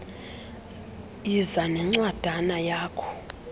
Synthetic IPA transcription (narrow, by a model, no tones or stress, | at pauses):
izanɛŋ͡ǀwad̥ʱanajaːkʰɔ̥